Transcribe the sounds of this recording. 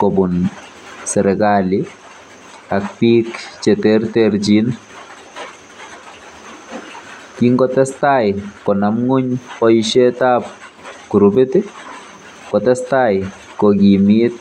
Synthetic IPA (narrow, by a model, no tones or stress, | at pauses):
kobun | sɛɾɛɡalɪ | akpikt͡ʃeteɾteɾd͡ʒin | kiŋɡɔtɛstajkɔnamŋuɲɔiʃetap̚ | kuɾubetɪ | kɔtɛstaj | kɔɡimit̪̚